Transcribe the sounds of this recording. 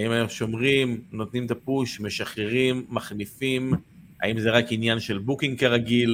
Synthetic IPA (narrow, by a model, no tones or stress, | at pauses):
aimajomʃo̞mʁimno̞t̪nimt̪apuʃme̞ʃaχeʁimːaχnifim | a̰imzeʁakinjanʃe̞lbukiŋɡkaʁaɡil